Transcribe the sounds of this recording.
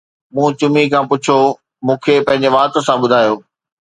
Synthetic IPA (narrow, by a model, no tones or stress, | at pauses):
mũːt͡ɕʊmikʰãːpʊt͡ɕʰo | mũːkʰepɐ̃ɦɪ̃ɲd͡ʑeʋaːt̪osãɓʊd̪ʱaːjoː